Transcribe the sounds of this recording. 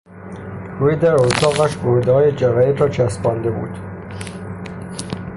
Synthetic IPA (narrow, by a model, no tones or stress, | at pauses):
ɾuːjed̪æɾot̪ʰɒːɣæʃboɾd̪ehɒːjed͡ʒævæjet̪ɾɒːt͡ʃʰæsbɒːnd̪e̞bṵːd̪̥